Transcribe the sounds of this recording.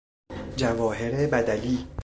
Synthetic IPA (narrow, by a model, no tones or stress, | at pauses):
d͡ʒævɒːɦe̞ɾebæd̪æliː